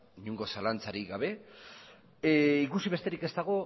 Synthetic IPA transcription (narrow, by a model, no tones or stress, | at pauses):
iɲuŋɡo̞salant͡saɾiɡaβ̞e̞ | ikusiβe̞st̪e̞ɾike̞st̪aɣ̞o